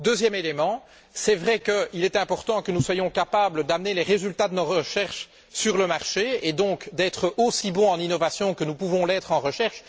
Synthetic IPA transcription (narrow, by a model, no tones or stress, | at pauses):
d̪øːzjɛmelemɑ̃ | sɛvʁɛkəilɛt̪ɛ̃pɔʁt̪ɑ̃kənuswajɔ̃kapabləd̪amnelɛʁezylt̪ad̪ənɔʁəʃɛʁʃ | syʁləmaʁʃeed̪ɔ̃kd̪ɛːt̪χəosibɔ̃ɑ̃ninɔvasjɔ̃kənupuvɔ̃lɛːt̪χɑ̃ʁəʃɛʁʃ